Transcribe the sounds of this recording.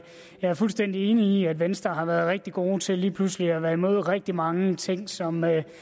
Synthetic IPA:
jɑ̈æɐfulsd̥en̰d̥ie̝ːniːæd̥ʋensd̥ɐɦɑ̈ʋæːɐð̞̩ˠʁɛɡ̥̚d̥iɡ̥o̝ːt͡sʰe̝liːpʰlusliæʋæɐimo̝ð̞̰ˠʁɛɡ̥̚d̥imɑ̈ŋət͡sʰe̝ŋ̰sɒ̽mø

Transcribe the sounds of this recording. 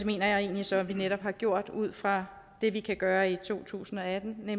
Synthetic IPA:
eme̝̰ːnɐjɑ̈ɪe̝̰ːnlisɒ̽ʋineɾ̥ɒ̽b̥hɑ̈ɡ̥jo̝ɐ̰d̥uð̞̰ˠfʁɑ̈ | d̥e̝ʋikʰæɡ̥ɶːɐit͡sʰo̝̰ːt͡sʰṵːsn̩ɒ̽æd̥n̩ne

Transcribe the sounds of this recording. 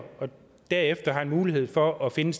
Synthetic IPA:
ɒ̽ | d̥æɐ̰efd̥ɐɦɑ̈nmuːliɦe̝ð̞̰ˠfɒʔɒ̽fe̝nəs

